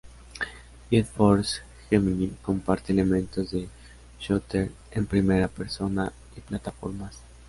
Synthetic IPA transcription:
et̪foɾs | xeminiko̞mpaɾt̪eːlemẽnt̪ozðe | ʃot̪eɾ | empɾimeɾapeɾso̞na | iplat̪afo̰ɾmas

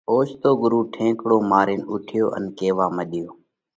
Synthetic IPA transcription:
oːʃt̪oːɡʊɾuːʈʰẽːkɽoːmaːɾiːnʊʈʰɪjoːʔə̰nkeːʋaːməɗɪjoː

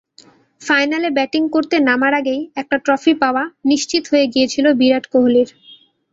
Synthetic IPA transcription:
fajnalebɛʈiŋkoɾt̪enamaɾaɡejɛk̚ʈaʈɾɔfipaoaniʃt͡ɕit̪oɦojeɡijet͡ɕʰilobiɾaʈkoɦoliɾ

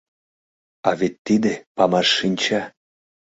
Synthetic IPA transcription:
ɑvet̪ːid̪epɑmɑʃːinʲt͡ɕɑ

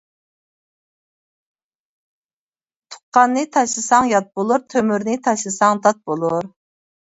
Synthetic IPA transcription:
t̪ʰʊ̥qːɑnːɨt̪ʰɑʃlˠɨsɑŋjɑt̪̚bolˠuɾt̪ʰømyɾnɨt̪ʰɑʃlɨsɑŋd̪ɑt̪̚bolˠuɾ

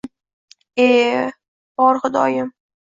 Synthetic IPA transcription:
e | b̥ɒɾχʊd̪ɒ̰jɪm

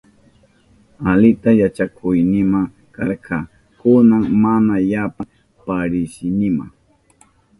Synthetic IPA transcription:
alɪt̪ajat͡ʃakʰʊjnɪma | kaɾqʰɑ | kʊnaŋmanajapa | paɾɪsɪnɪma̰ŋ

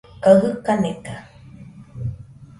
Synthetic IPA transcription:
kaɦɯkaneka

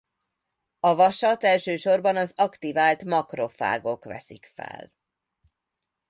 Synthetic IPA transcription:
ɒvɒʃɒt̪ɛlʃøːʃo̞rbɒnɒzɒkt̪ivaːlt̪mɒkro̞fa̰ːɡokʋɛ̰sikfɛ̰l

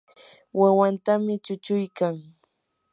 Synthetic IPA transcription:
wawant̪amɪt͡ʃʊt͡ʃʊjkaŋ

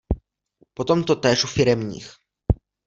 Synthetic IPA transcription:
pot̪omt̪ot̪ɛːʃufɪɾɛmɲḭːx

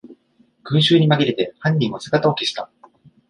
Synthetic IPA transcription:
ɡ̥ɯ̟̃ɰ̃ɕɨːɲ̟imaɡʲiɾe̞t̪e̞hãɲʲɾʲĩɰ̃o̞sɨɡat̪aoke̞ɕi̥t̪a

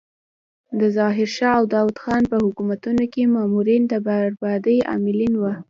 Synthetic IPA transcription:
d̪əzɑɦɪɾʃɑawd̪ɑwad̪xɑnpəhʊkumat̪unokemɑmuɾind̪əbaɾbɑd̪əja̰mɪlinwa

